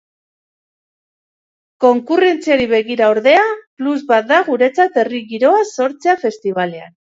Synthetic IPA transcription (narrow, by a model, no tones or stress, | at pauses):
ko̞ŋkure̞nt͡siaɾiβe̞ɣiɾaoɾðe̞apluzβat̪̚d̪aɣuɾe̞t͡sat̪e̞riɣiɾo̞aso̞ɾt͡se̞afe̞st̪iβale̞a̰n